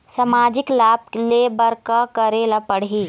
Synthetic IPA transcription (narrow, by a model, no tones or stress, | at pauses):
sɐmaːd͡ʒɪklaːb̚lebɐɾkakɐɾeːlapɐɽɦiː